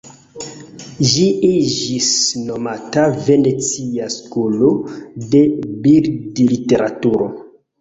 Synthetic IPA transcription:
ʒiid͡ʒisno̞matave̞net͡siaskolode̞biɾdilite̞ɾatuɾo

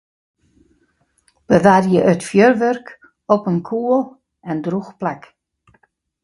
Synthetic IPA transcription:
b̥əʋarjəʔœtfjørʋørk | ɔpənkʰuəlˠ | ɛndruxplɛk

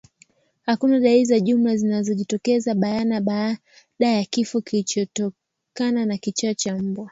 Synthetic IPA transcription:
hakunaɗaizaʄumlazinazɔʄitɔkɛzaɓajanaɓa | ɗajakifɔkilit͡ʃɔtɔ | kananakit͡ʃat͡ʃam̩bwa

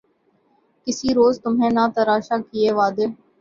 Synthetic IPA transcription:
kɪsiɾoːzt̪ʊmɦẽːnat̪əɾaːʃaːkieːʋaːd̪eː

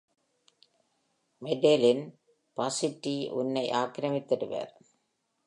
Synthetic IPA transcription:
mɛɖelɪn | pɐsɪʈːiʔʊ̰nːɐɪʔaːkɾɐmɪt̪ːɐɽɯʋa̰ːɾ

